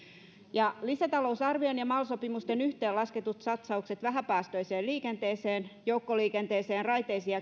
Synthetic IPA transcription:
jɑlisæt̪ɑlousɑrʋionjɑmɑlsopimust̪enyht̪eːlɑsket̪ut̪sɑt̪sɑukset̪ʋæɦæpæːst̪oiseːlliːkent̪eːseːnjoukːoliːkent̪eːseːnrɑjt̪eisiɑ

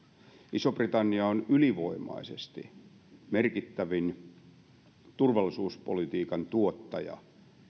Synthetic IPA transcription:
ʔisoprit̪ɑnːiɑonyliʋoimɑ̰isest̪i | merkit̪ːæʋin | t̪urʋɑlːˑisuːspolit̪iːkɑnt̪uot̪ːɑjɑ̰

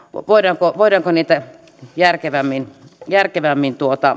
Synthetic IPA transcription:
ʋoˑiɾɑːŋkoʋoˑiɾɑːŋkoniːt̪æ | jærkeʋæmːinjærkeʋæmːint̪uot̪ɑ

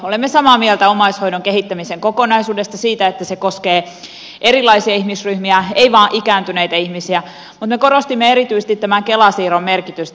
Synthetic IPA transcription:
olemːesɑmɑːmielt̪æomɑishoinoŋkehit̪ːæmiseŋkokonɑisuːdest̪ɑsiːt̪æet̪ːæsekoskeː | erilˑɑisiɑihmisryhmiæeiʋɑːʔikæːnt̪yneit̪æihmisiæ | mut̪mekoɾost̪imːeeɾit̪yise̥t̪it̪t̪ːæmæŋkelɑsiːɾomːmerkit̪yst̪

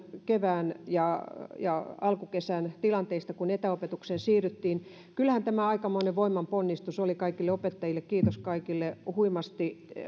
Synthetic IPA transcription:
keʋæːnjɑjɑɑlkukesænt̪ilɑnt̪eist̪ɑkunet̪æopet̪uksensiːryt̪ːiːn | kylhænt̪æmæɑikɑmoineʋʋoimːɑmponːist̪usolikɑikilːeopet̪ːɑjilːˑekkiːt̪oskɑikilːehuimɑst̪i

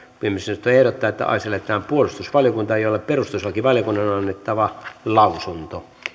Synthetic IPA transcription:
kuemːesɑnot̪ːoehɾot̪ːɑːet̪ːæ̰ɑ̰ˑiselːet̪ːˑæːmpuolust̪usʋɑljokunt̪ɑeˑijolːepperust̪uslɑkiʋɑljokunːɑnonɑnːet̪ːɑʋɑlɑusunt̪o

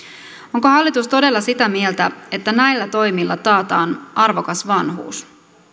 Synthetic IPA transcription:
o̞ŋkohɑlːit̪ust̪o̞de̞lːɑsit̪æmielt̪æe̞t̪ːænæjlːæt̪o̞jmilːɑt̪ɑːt̪ɑːnɑrʋo̞kɑsʋɑnɦṵːs

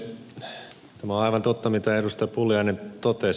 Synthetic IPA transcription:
t̪æmæoɑiʋɑnt̪ot̪ːɑmit̪æedust̪ɑjpuljɑinent̪ot̪e

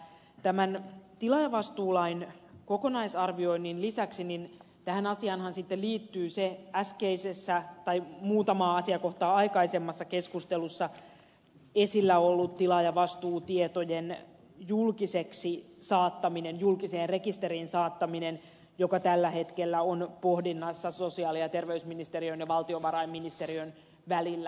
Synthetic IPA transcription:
t̪æmænt̪ilɑjɑʋɑst̪uːlɑinko̞konɑisɑrʋio̞inːinlisæksinin | t̪æhænɑsiɑnhɑnsit̪ːelliːt̪ːyːseæskeisesːæt̪ɑjmuːt̪ɑmɑːɑsiɑkoht̪ɑːɑikɑisemːɑsːɑke̞skust̪elusːɑ | esilːæolːut̪t̪ilɑjɑʋɑst̪uːt̪iet̪ojen | julkiseksi | sɑːt̪ːɑminenjulkiseːnre̞kist̪e̞ɾiːnsɑːt̪ːɑminen | jo̞kɑt̪ælːæhe̞t̪kelːæonpo̞hdinːɑsːɑso̞siɑːliɑt̪e̞rʋeysminist̪eɾiønjɑʋɑlt̪ioʋɑɾɑimːinist̪e̞ɾiøn | ʋælilːæ

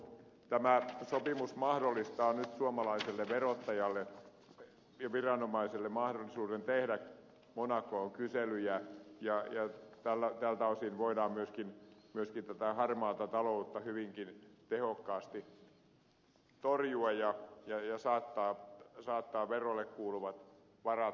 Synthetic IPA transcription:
t̪æmæsopimusmɑhdolːˑist̪ɑːnyt̪suoɑmɑlɑiselːeʋerot̪ːɑjɑlːe | jɑʋirɑnomɑiselːemɑhdolːisuːɾent̪ehdæ | monɑkːoːŋkyselyjæjɑjɑt̪ælːæt̪ælt̪ɑusinʋoidɑːmmyøskinmyøskint̪æt̪æhɑrmɑːt̪ɑt̪ɑlout̪ːɑhyʋiŋkint̪ehokːɑːst̪i | t̪orjuɑjjɑjɑjɑsɑːt̪ːɑːsɑːt̪ːɑːʋerolːˑekkuːluʋɑt̪ | ʋɑrɑ

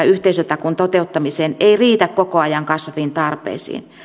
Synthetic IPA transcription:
yht̪eisøt̪ɑkunt̪ot̪eut̪ːɑmiseːneiriːt̪ækkokoɑjɑŋkɑsʋint̪ɑrpḛːsḭːn

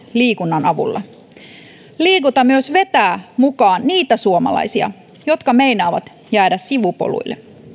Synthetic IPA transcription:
liːkunːɑnɑʋṵlːɑ̰ | liːkut̪ɑmyøsʋe̞t̪æːmukɑːnniːt̪æsuomɑ̰lɑ̰jsiɑ̰ | jo̞t̪kɑmejnɑːʋɑt̪ | jæːdæssiʋupo̰lṵjlːḛ

